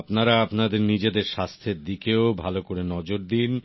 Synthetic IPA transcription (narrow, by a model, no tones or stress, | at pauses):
pnaɾaapnad̪eɾnid͡ʑed̪eɾʃast̪ʰeɾd̪ikeobʱalokoɾenɔd͡ʑoɾd̪in